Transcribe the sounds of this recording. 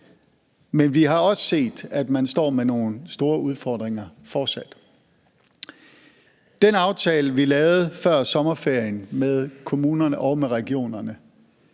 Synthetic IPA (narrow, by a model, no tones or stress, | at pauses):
menʋiɦɑ̈ɒ̽sə̥se̝̰ːd̥æd̥mænsd̥ɒ̰ːmeno̝ːn̩sd̥o̝ːɐuð̞ˠfɒ̰ːd̥ʁeŋɐfɒːd̥sæd̥ | d̥enɑ̈ʊt͡sʰɛːləʋilɛːʊð̩ˠfɶɐ̰sɒ̽mɐfe̝ɐ̰jənmeðˠkʰo̝muːnɐnəʔɒ̽ʊmeʁɛɡ̥io̝̰ːnɐnə